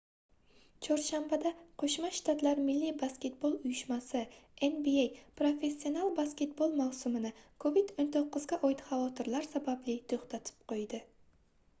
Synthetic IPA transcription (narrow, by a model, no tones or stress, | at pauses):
t͡ʃʰɒɾʃambad̪aqʰoʃmaʃt̪ʰat̪laɾmɪlːibaskʲe̞t̪̚bolˠʊjɪʃmasɪenbiejpɾofe̞sːio̞nalˠbaskʲe̞t̪̚bolˠmawsʊmɪnɪkʰovid̪ont̪ʰoqːʊzɡʲaʔɒjd̪χavɒt̪ʰɪɾlaɾsabablɪt̪ʰoχt̪ʰat̪ʰɪ̥p̚qʰojd̪ɪ